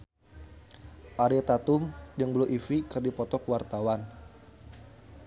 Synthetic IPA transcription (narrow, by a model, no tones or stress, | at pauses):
ʔaɾiat̪at̪ʊmjəŋbəluʔifikɨrdipɔt̪ɔkwart̪awan